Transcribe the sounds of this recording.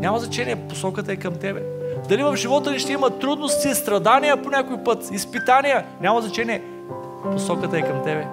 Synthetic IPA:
nʲamɐzɐt͡ʃɛnʲijɛpo̥sɔkət̪əɛkɐmt̪ɛbɛd̪ɐlivɐfʒivɔt̪əniʃt̪ɛimɐt̪ːɾud̪nost̪ʲiːst̪ɾɐd̪anijəponʲakojpɤt̪ispit̪anijənʲamɐznɐt͡ʃɛniɛ | posɔkət̪ɐɛkɐmt̪ɛbɛ

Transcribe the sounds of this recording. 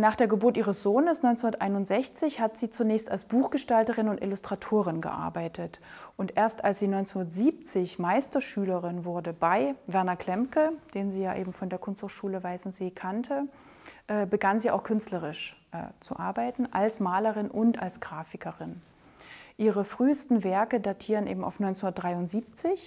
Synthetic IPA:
naːχd̥eːɐɡəbʊɐtiːʁəsz̥oːnəsnɔʏnt͡shundɐtʔa̰ɪnʊntz̥ɛçt͡sɪçhatz̥iːt͡sunɛːçstalsb̥uːxɡ̥əʃtaltəʁɪnʊntʔɪ̰lustʁ̥atʰoːʁɪnɡə̰ʔa̰ɐbaɪtʰətʔʊntʔeːɐstalsz̥iːnɔʏnt͡senhundɐtz̥iːp̚t͡sɪçmaɪstɐʃyːləʁɪnvʊɐdəbaɪvɛɐnɐkʰl̥ɛmkəd̥eːnziːjaːʔḛːbm̩fɔndeːɐkʰʊnsthʊχʃuːləvaɪsn̩z̥eːkʰantʰə | ʔɛːbəɡanziːʔa̰ʊxkʰʏnstləʁɪʃʔɛ̰ːt͡sṵʔa̰ɐbaɪtn̩ʔalsmaːləʁɪnʔʊnta̰lsɡ̥ʁaːfɪkəʁɪn | ʔiːʁəfʁ̥yːstn̩vɛɐkədatʰiːʁənʔḛːbm̩ʔa̰ʊfnɔʏnt͡senhundɐtdʁaɪʊntz̥iːp̚t͡sɪç

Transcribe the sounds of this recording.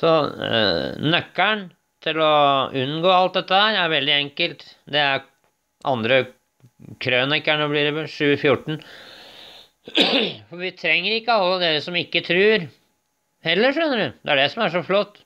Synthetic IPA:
sɔ | nœkːæɳ | t̪ʰɪlɔʉnːɡoːɑlt̪̚d̪ɛt̪ːəhæɾæɾʋɛld̪ɪɛŋkəlt̪d̪ɛæɾ | ʔɑ̰nd̪ɾə | kʰɾøːnɛkːəɳoblɪɾɛʂʉːəfjʊʈːɳ̩ | fɔɾʋɪt̪ʰɾɛŋːəɾɪkːəɑlːəd̪eːɾəsɔmɪkːət̪ʰɾʉːɾ | hɛlːəʂœnːəɖʉd̪ɛ̰æɖɛsɔmæʂɔflɔt̪ː

